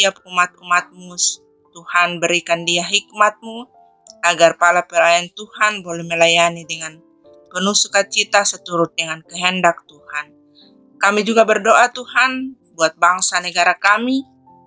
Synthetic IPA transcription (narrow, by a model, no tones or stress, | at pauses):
iap̚umat̪̚umat̪̚mus | t̪uhanbəɾikandiaɦik̚mat̪̚mu | aɡarpalapəlajant̪uhanbolɛhməlajanidəŋan | pənusukat͡ʃit̪asət̪uɾʊt̪̚dəŋankəɦɛndak̚t̪uhan | kamid͡ʒuɡabərdoʔat̪uhan | buat̪̚baŋsanəɡaɾakami